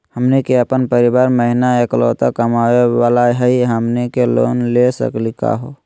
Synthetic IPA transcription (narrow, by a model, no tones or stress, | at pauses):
həmnekeəpənpəɾɪbaːɾməɦɪnaekloːt̪akəmaːwewaːlaɦɛiɦəmnekelo̰ːnlesə̰klika̰ɦoː